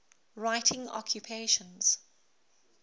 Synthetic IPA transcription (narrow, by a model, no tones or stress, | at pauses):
ɹaɪtʰɪ̃ŋɔ̰kʰjupʰeɪʃə̃nz̥